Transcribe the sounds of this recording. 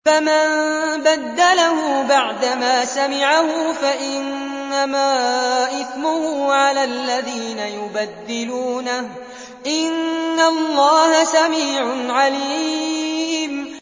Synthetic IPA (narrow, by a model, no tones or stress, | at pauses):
famanbad̪ːalahʊːbaʕd̪amaːsamɪʕahʊfaʔɪnː | amaːʔɪθmʊhuːʕalaːlːaðiːnajʊbad̪ːɪluːnah | ʔɪnːalˤːɑːhasamiːʕʊʕaliː | m